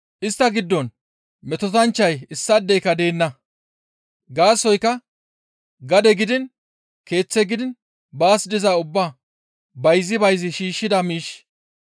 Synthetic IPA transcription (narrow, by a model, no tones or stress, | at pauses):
ʔɪst̪ːɐɡɪd̪ːɔn | mɛt̪ɔt̪ɐnt͡ʃːɐjɪsːɐd̪ːɛjkɐd̪e̞ːnːɐ | ɡaːsːɔjkːɐ | ɡɐd̪ɛɡɪd̪ɪn | ke̞ːt͡sːɛɡɪd̪ɪn | baːsd̪ɪzaːʊbːa | bɐjzɪbɐjzɪʃiːʃːɪd̪ɐmiːʃ